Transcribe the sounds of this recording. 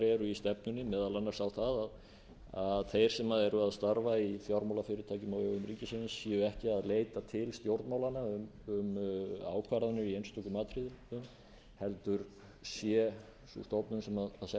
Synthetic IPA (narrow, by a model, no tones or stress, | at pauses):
ɾɛɾʏist̪ɛpnʏnːɪmɛːðalanːaɾsawθaðað | aðθejɾ̥sɛmaðɛɾʏaðst̪aɾvaiθjawɾmawlafɪɾɪt̪ʰaːcʏmaœɣʏmricɪsɪnsːjɛʏɛhcɪaðleːjt̪at̪ʰɪlst̪jowɾt̪maːwlanaʏmʏma̰ːwkʰvaɾðanɪɾiejnst̪ɔkʏmaːt̪ɾiðɪʏm | hɛlt̪ʏɾ | sjɛ | sṵst̪ɔpnʏnsɛmaðaðsɛ